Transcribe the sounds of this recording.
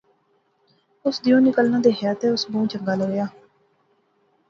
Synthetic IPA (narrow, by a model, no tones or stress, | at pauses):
ʊsd̪ijõːnɪkəlnãːd̪eːɦɛjt̪eːʊsbõːt͡ʃəŋɡaːləɡjaː